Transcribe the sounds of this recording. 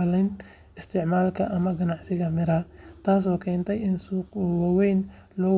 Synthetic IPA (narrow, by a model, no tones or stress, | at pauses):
lɛjn | ɪst̪ʰɪʕmaːlkʰɐʔɐmɐɡɐnɑʕsɪɣɐmɪɾɐt̪ʰaːsɔːkʰɛːnt̪ʰɛjɪnsuːqwɑwɛjn | lɔː